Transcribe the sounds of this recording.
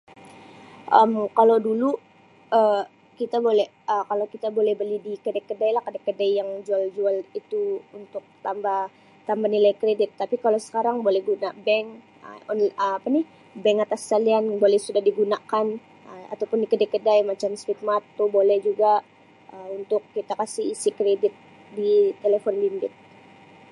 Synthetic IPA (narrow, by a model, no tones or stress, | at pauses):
ʔə̰mkalodulu | ə | kit̪abolɛh | əkalowkit̪abolɛhbəlidikədakədajlahkədajkːədajjaŋd͡ʒuald͡ʒualit̪uunt̪ʊk̚t̪ambah | t̪ambanilajkɾedɪt̪ːapikalosə̥kaɾaŋbolɛhɡunabɛŋ | ə̰onəmapanɪh | bɛŋat̪askalianbolɛhsudahdiɡunakan | əa̰t̪awpʊndikədajkədajmat͡ʃamsfit̪̚mat̪ːobolɛhd͡ʒuɡa | əunt̪ʊkːit̪akasiisikɾedɪt̪̚ | dit̪elefɔnbindɪt̪̚